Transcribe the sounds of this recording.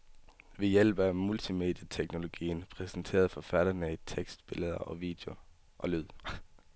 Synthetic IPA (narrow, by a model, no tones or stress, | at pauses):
ʋe̝jel̰b̥æmult͡sʰime̝̰d̥jɐt͡sʰeɡ̥no̝lo̝ɡ̥ḭːnpʰʁɛsn̩t͡sʰe̝̰ːɐðˠfɒ̽fæɾɐnəit͡sʰeɡ̥sd̥̚b̥e̝ləð̞ˠɐʔɒ̽ʋḭd̥e̝o̝ | ʔɒ̽lyð̰ˠ